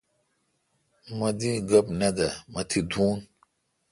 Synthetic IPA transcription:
mɐd̪iɡɐbnɐd̪ɐmɐt̪ʰid̪uːn

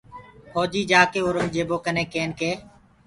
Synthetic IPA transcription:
hoːd͡ʒiːd͡ʒaːkeːoːɾõːd͡ʒeːboːkənẽːkeːnkeː

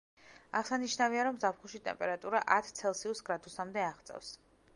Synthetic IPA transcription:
aʁsaniʃnaviaɾɔmzapʰχulˠʃit̪ʼɛ̰mpʼɛɾat̪ʼuɾaʔat̪ʰt̪sʰɛlˠsiusɡɾad̪usamd̪ɛaʁt̪sʼɛ̰fs

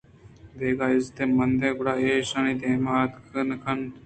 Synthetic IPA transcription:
d̪eːɡaːɪst̪eːmɐnd̪ẽːkʊɽaːeːʃaniːd̪eːmaːt̪kʰənkʰɐn

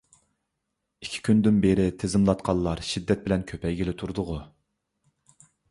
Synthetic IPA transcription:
ikʲʰi̥kʲʰynd̪ɪnbeɾɪt̪ʰezɪmlˠɑt̪qʰɑlˠːɑɾʃid̪ːɛt̪̚bɪlɛnkʲʰøpʰɛjɡʲilɪt̪ʰuɾd̪ʊʁʊ

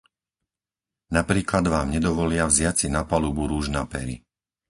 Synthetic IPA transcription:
napɾiːklad̪ʋaːmɲɛd̪ɔʋɔlɪavzɪat͡sinapaluːbuɾuːʒnapɛ̰ɾḭ

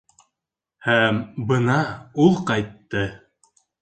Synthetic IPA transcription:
hæmbɤnɑulˠqɑjt̪ːɤ

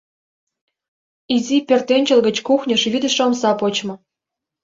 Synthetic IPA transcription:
izʲipʲert̪enʲt͡ɕə̆lɣə̆t͡ɕkuxnʲɤ̆ʃvʲid̪ə̆ʃomsɑpot͡ɕmɤ̆

